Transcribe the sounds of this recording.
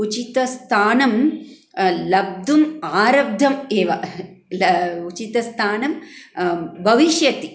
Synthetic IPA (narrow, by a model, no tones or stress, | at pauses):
ut͡ʃit̪ɐst̪ʰaːnɐm | lɐb̚d̪umaːɾɐb̚d̪ʱɐmeːʋɐlɐut͡ʃit̪ɐst̪ʰaːnɐm | bʱɐʋiʃjɐt̪i